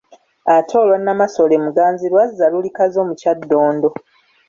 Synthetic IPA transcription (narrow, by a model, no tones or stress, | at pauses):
atʰo̞ːlwanːamaso̞lemuɡaːnzilwazːalulikazo̞ːmucadːo̞ːndo̞